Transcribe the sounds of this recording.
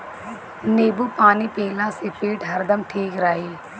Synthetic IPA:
neːbuːpaːniːpeːlãːseːpeːʈɦɐɾd̪əmʈʰiːkɾaːɦeː

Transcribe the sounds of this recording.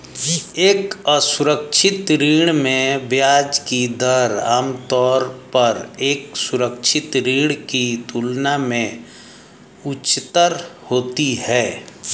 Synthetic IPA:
eːkəsʊɾəkʃʰɪt̪ɾiːɽ̃mẽbjaːd͡ʒkid̪əɾaːmt̪ɔːɾpəɾeːksʊɾəkʃʰɪt̪ɾiːɽ̃kit̪uːlnamẽ | ʊt͡ʃːt̪əɾhoːt̪ihɛː

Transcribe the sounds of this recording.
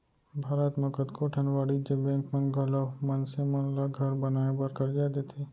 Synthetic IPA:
bʱaːɾət̪məkəd̪kʰoʈʰənʋaɽid͡ʒebɛ̃ŋkmənɡʱəlamənsemənlaɡʱəɾbənaẽbəɾkəɾd͡ʒad̪et̪ʰe

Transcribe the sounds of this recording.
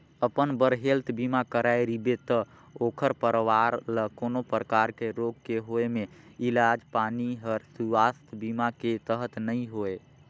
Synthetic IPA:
əpənbəɾɦelt̪bimakəɾajɾibet̪ə | okʰəɾpəɾʋaɾləkonopɾəkaɾkeɾoɡkeɦoeme | ilad͡ʒpaniɦəɾsuast̪bimaket̪əɦət̪nəjɦoe

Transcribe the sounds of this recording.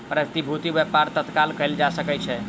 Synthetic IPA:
pɾət̪ibʱut̪ibɛpaɾt̪ət̪kalkəjld͡ʒasəkɛt͡ʃʰɛ

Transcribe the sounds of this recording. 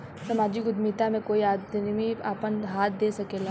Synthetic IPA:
sɐmaːd͡ʒɪkʊd̪mit̪amẽkoːiaːd̪nmiaːpənɦaːt̪̚ʰd̪eːsɐkeːla

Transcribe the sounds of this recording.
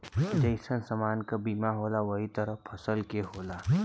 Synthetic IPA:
d͡ʒəɪsənsɐmaːnkabiːmaɦoːlaʋɐɦit̪əɾəɦpʰɐsəlkeɦoːla

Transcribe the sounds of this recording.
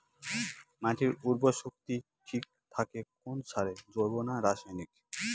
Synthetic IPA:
mãʈʰiɾuɾboʃokt̪i | ʈʰik̚ | t̪ʰakekonsʰaɾed͡ʑoɾbonaɾaʃajnik

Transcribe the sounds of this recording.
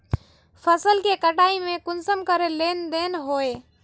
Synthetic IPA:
pʰəsəlkekəʈaimẽkʊnsəmkəɾelend̪enɦoe

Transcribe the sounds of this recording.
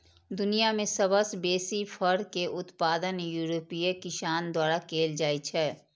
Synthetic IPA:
d̪ʊnijamẽsəbəsbeːsipʰəɾkeʔʊt̪paːd̪ənjuːɾoːpijekɪʃaːnd̪waːɾakeːld͡ʒaːit͡ʃʰɛː

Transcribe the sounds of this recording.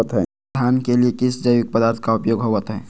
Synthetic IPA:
ət̪ɦɛː | aːnkeliekɪsd͡ʒəɪʋɪk̚pəd̪aːɾt̪ʰkaʊpjoːɡɦoːʋət̪ɦɛː

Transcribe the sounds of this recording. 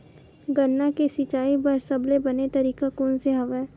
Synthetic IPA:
ɡɐnːakesɪt͡ʃaːibɐɾsɐblebɐnet̪ɐɾiːkakoːnseɦɐʋɛː

